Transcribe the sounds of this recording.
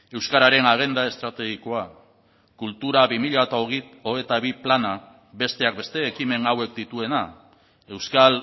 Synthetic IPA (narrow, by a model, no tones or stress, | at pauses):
e̞wskaɾaɾe̞naɣ̞e̞nd̪ae̞st̪ɾat̪e̞ɣiko̞a | kult̪uɾaβimiʎat̪aoɣioɣet̪aβiplana | be̞st̪e̞ak̚be̞st̪e̞ːkime̞ŋawe̞kd̪it̪ue̞na | e̞wskal